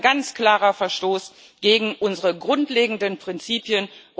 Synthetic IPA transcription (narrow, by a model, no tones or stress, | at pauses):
ɡant͡skl̥aːʁɐfɛɐʃtoːs | ɡ̥eːɡŋ̩ʔʊnzəʁəɡʁʊntleːɡŋ̩dənpʁ̥ɪnt͡siːpjənʔʊ